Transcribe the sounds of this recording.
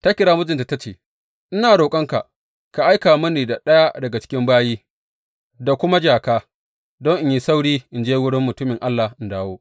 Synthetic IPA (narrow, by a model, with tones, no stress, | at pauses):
ta˦kʲɪ˦ɽaː˦mʊ˦d͡ʒɪ˨nta˨ta˦t͡ʃḛː˨ | ʔɪ˦naː˨ɽoː˨kʼɐ˦ŋka̰˨ʔ | ka˨ʔa˦jkaː˨mɐ˦niː˨da˨ɗɐ˦ja˦dɐ˨ɡa˨t͡ʃɪ̥˦kʲɪ˦mbaː˦jiː˦ | da˨kʷʊ˦ma˦d͡ʒaː˨kaː˦ | dɔ˦ŋʔɪ˦ji˦sa˦wɽiː˦ʔɪ˨nd͡ʒeː˦wʊ˦ɽɪ˦mːʊ˨tʊ˦mɪ˨ŋʔa˦lːa˨hʔɪ˨ndaː˦woː˦